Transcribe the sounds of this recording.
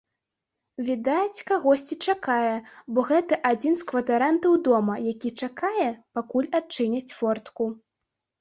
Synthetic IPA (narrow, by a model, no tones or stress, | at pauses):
vʲid̪at͡sʲkaɣɔsʲt͡sʲit͡ʂakajɛbɔɣɛt̪ɐʔad͡zʲinskvɐt̪aɾant̪ɐwd̪ɔmɐjakʲit͡ʂakajɛpakulʲat̪̚t͡ʂɨnʲɐt͡sʲfɔrt̪ku